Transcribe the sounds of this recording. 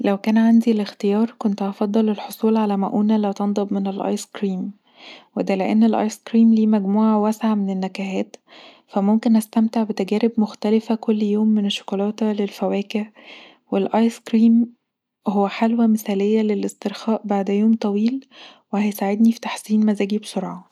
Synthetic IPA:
læwkæːnʕand̪ilext̪ejɑːɾˤkont̪ʔɑfɑd̪ˤːɑlelħosˤuːlʕalæmæʔuːnælæːt̪ɑnd̪ˤɑbmenelʔɑ̰jskɾiːm | wed̪æleʔenːelʔɑ̰ːjskɾiːmliːmæɡmuːʕawæsʕamenenːækæhæːt̪ | fæmomkenʔæst̪æmt̪eʕbet̪æɡæːɾebmoxt̪ælɪfækolːjoːmːeneʃːo̥kolɑːt̪lelfæwæːkeʕ | welʔɑjskɾiːm | howːæħalwæmeθæːlejːælelʔest̪eɾxɑːʔbaʕd̪joːmt̪ˤɑwiːlwehæjsaʕed̪nifi̥t̪ḁħsiːnmæzæːɡibsoɾʕɑ

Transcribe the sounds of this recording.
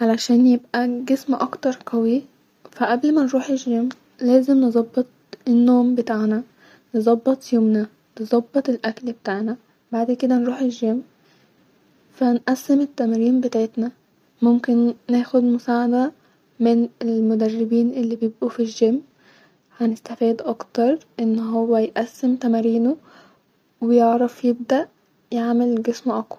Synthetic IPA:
ʕalæʃæːnjebʔæɡesmʔɑkt̪ɑɾˤqɑwi | fæʔæblmænɾuːħeʒːem | læːzemnezˤɑbːet̪̚ˤ | enːoːmbet̪aːʕnæ | nezˤɑbːet̪ˤjomnæ | nezˤɑbːet̪ˤelʔæklbet̪aːʕnæ | baʕd̪ked̪ænɾuːħeʒːem | fænʔæsːemet̪ːæmɾiːmbet̪aʕet̪næ | momkenːeːxod̪mʊsaːʕad̪æ | menelmod̪ærːɪbiːnʔelːiːbjebʔufiʒːemː | hænest̪æfiːd̪ʔɑkt̪ɑɾˤʔenːɦowːæjʔæsːemt̪æmæɾiːno | wejeʕɾˤɑfjeb̚d̪æʔ | jeʕmelɡesmoʔɑkwɑɾ

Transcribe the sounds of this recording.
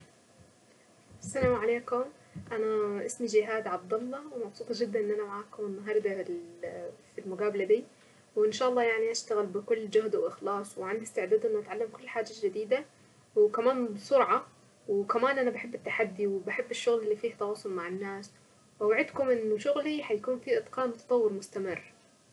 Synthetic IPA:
ʔasːalaːmʕaleːkʊm | ʔanaʔɪsmid͡ʒɪɦaːd̪ʕɑb̚d̪ɑlˤːɑwmɑbsˤuːt̪ˤɑd͡ʒɪd̪ːanʔɪnːʔanamaʕaːkʊmɪnːaɦɑːɾˤd̪a | filmʊɡaːbalad̪iː | wʔɪnʃaːʔɑlˤːɑːjaʕniʔaʃt̪aɣɪlbɪkʊlːd͡ʒʊhd̪wʔɪxlɑːsˤwɪʕand̪iɪst̪ɪʕd̪aːd̪ʔɪnːʔat̪ʕalːamkʊlːħaːd͡ʒːaʒɪd̪iːd̪a | wkamaːnbɪsˤʊɾʕɑ | wɪkamaːnʔanabaħɪbːɪt̪ːaħad̪ːiwɪbaħɪbːɪʃːʊɣlɪlːifiːht̪ɑwɑːsˤʊlmaʕɪnːaːs | wʔawaʕɪd̪kʊmʔɪnːʊʃʊɣliħajakuːnfiʔɨt̪ˤqɑːnmʊt̪ɑ̥t̪ˤɑwːɪɾmʊst̪amɪrː

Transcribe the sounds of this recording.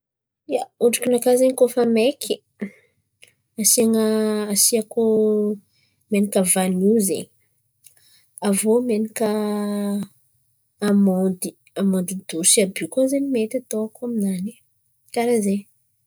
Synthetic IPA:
jauɖ͡ʐakinakazeɲikofamekʰi | asiaŋəːsiako | menikəvanizḛɲ | avomenikə | amɔd̪i | amɔnd̪id̪usiabikozenimet̪at̪oakaminani | kaɾaze

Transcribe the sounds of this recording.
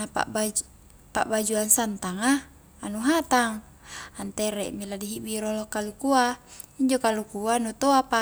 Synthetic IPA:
napa̰ʔba | pa̰ʔbad͡ʒuansant̪aŋaː | nuɦat̪aŋ | ant̪ɛɾɛ̰ʔmiladiɦibiɾolɔkalukua | iɲd͡ʒokalukuanut̪oapa

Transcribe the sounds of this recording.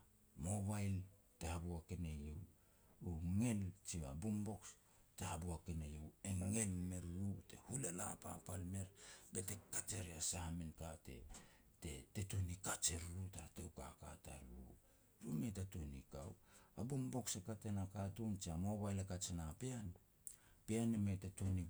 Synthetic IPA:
mo̞βajl | tehabuakenejew | uŋe̞lt͡ʃiβa̰bumbo̞ks | tehabuakenejeweŋe̞lme̞ɾɾute̞̰hulela̰papalme̞ɾbete̞kat͡ʃeɾeasahamenkate̞̰ | te̞̰te̞tonikat͡ʃe̞ɾɾutatewkaka̰ta̰ɾu | ɾumetatonḭka̰wabumbo̞ksekatenakatunt͡ʃiamoβajlakat͡ʃenapean | peanemetatoni

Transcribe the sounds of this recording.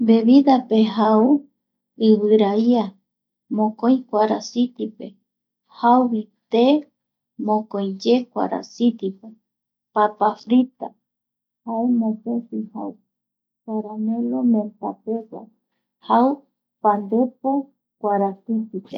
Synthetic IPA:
be̞βiðape̞ɦau | ɨβɨɾaia | mõkõj̃kʷaɾasit̪ipe̞ | hawβit̪e | mõkõj̃d͡ʒe̞kʷa̰ɾa̰sit̪ipe | papafɾit̪a | haemõtesiha̰u | paɾanẽlomẽnt̪apewa̰ | haw | pand̪e̞po | kʷaɾasit̪ipḛ

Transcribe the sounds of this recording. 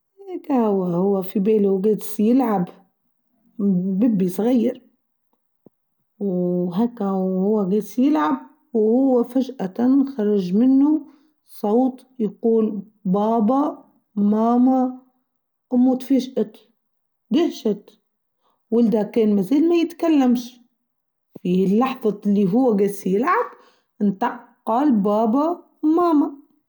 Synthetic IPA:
hekahwːahʊwːafibeːluwɡeːd̪sjɪlʕab | bɪbːisˤɣajːɑɾ | wɦeːkːahʊwːaɡeːd̪sjɪlʕab̚ | whʊwːafaʒʔaxɑɾˤɑʒmɪnːʊ | sˤowt̪ˤ | jaquːl | bɑːba | maːma | ʔʊmːʊt̪fiʒʔat̪ | d̪ɪhʃat̪ | wɪld̪akeːnmaziːlmajɪt̪kalːamʃ | filːɑħðˤɑlːiɦʊwːaɡeːsjɪlʕab | ɪnt̪ɑqːɑlbaːba | maːma

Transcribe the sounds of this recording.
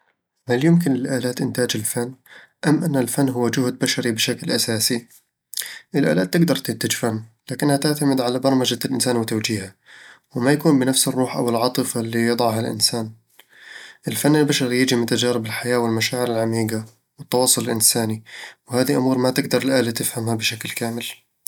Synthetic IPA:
haljʊmkɪnlɪlʔaːlaːt̪ʔɪnt̪aːd͡ʒɪlfanːʔamːʔanːalfanːɦʊwːad͡ʒʊhd̪̚baʃɑɾibɪʃaklʔasaːsi | ʔɪlʔa̰ːlaːt̪ːɪɡd̪ɑɾˤt̪ɪnt̪ad͡ʒfanːlaːkɪnːhat̪ɪʕt̪amɪd̪ʕalabɑɾˤmad͡ʒalʔɪnsaːnwɪt̪awd͡ʒiːha | wɪmajakuːnbɪnafsɪrˤːuːħʔa̰wɪlʕɑt̪ˤɨfalːijɨd̪ˤɑʕɦalʔɪ̰nsaːn | ʔɪlfanːɪlbaʃɑɾijɪd͡ʒimʊt̪ad͡ʒaːɾɪbɪlħajaːwɪlmaʃaːʕɪɾɪlʕamiːɡa | wɪt̪ːɑwɑːsˤːʊlɪlʔɪnsaːniwɪhaːðiʔʊmuːɾˤmat̪ɪɡd̪ɑɾˤɪlʔaːlat̪ɪfhamhabɪʃaklkaːmɪl

